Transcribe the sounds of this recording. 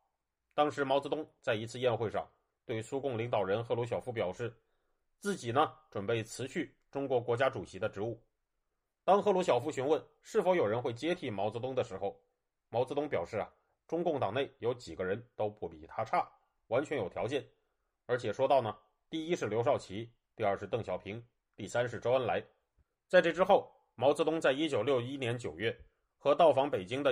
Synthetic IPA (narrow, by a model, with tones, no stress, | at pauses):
t̪ɑ˥ŋʂɻ̩˧˥mɑ˧˥t͡sɤ˧t̪ʊ˥ŋt͡sa˥˩ɪi˧˥t͡sʰɹ̩˥˧jɛ˥˧nxwe˥˧ɪʂɑ̰˥˩ŋ | t̪we˥˩ɪsu˥kʊ˥˩ŋli˧˥ŋt̪ɑ˨˩ʊɻə˧˥nxɤ˥˩lu˧˥ɕjɑ˨˩ʊfu˧˥p̬jɑ˨˩ʊʂɻ̩˥˩ | t͡sɹ̩˥˩t͡ɕi˨˩nə˦ʈ͡ʂwə˨˩npe˥˩ɪt͡sʰɹ̩˧˥ɕʰy˥˩ | ʈ͡ʂʊ˥ŋkwɔ˧˥kwɔ˧˥t͡ɕja˥ʈ͡ʂu˨˩ɕi˧˥d̪ə˧ʈ͡ʂɻ̩˧˥u˥˩ | t̪ɑ˥ŋxɤ˥˩lu˧˥ɕ̬jɑ˨˩ʊfu˧˥ɕy˧˥nwə˥˩n | ʂɻ̩˥˩fo˧˥ʊjo˨˩ʊɻə˧˥nxwe˥˩ɪt͡ɕjɛ˥t̪ʰi˧˥˩mɑ˧˥ʊt͡sɤ˧˥t̪ʊ˥ŋd̪ə˨ʂɻ̩˧˥xo˥˧ʊ | mɑ˧˥t͡sɹɤ˧˥t̪ʊ˥ŋpjɑ˨˩ʂɻ̩˥˩ɐ̰˩ | ʈ͡ʂʊ˥ŋkʊ˥˩ŋt̪ɑ˨˩ŋne˥˩ɪjo˧˥ʊt͡ɕi˨˩ɡə˦ɻə˧˥nt̪o˥ʊpʰu˥˩pḭ˨˩t̪ʰa˥ʈ͡ʂʰa˥˩ | wa˧˥nt͡ɕʰɥɛ˧˥njo˨˩ʊjɑ˧˥t͡ɕjɛ˥˩n | ə˞˧˥t͡ɕʰjɛ˨˩ʂwɔ˥t̪ɑ˥˩ʊnə˩ | t̪i˥˩i˥ʂɻ̩˥˩ljo˧˥ʂ̬ɑ˥˩ʊt͡ɕʰi˧˥ | t̪i˥˧ə˞˥˧ʂɻ̩˥˧t̪ɤ˥˩ŋɕjɑ˨˩ʊpʰi˧˥ŋ | t̪i˥˩sa˥nʂɻ̩˥˩ʈ͡ʂo˥ʊə˥nla˧˥ɪ | t͡sa˥˧ɪʈ͡ʂɤ˥˩ʈ͡ʂɻ̩˥xo˥˩ʊ | mɑ˧˥ʊt͡sɹ̩˧˥t̪ʊ˥ŋt͡sa˥˩ɪi˥t͡ɕjo˨˩ʊljo˥˧ʊi˥njɛ˧˥nt͡ɕjo˨˩ʊɥɛ˥˩ | xɤ˧˥t̪ɑ˥˩ʊfɑ˧˥ŋpe˨˩ɪt͡ɕi˥ŋd̪ə˧